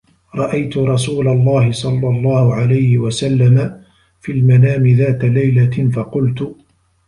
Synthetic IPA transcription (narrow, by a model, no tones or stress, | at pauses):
ɾˤɑʔajt̪ʊɾˤɑsuːlalˤːɑːhɪsˤɑlːɑlˤːɑːhʊʕalajhɪwasalːama | filmanaːmɪðaːt̪alajlafɑqʊlt̪ʊ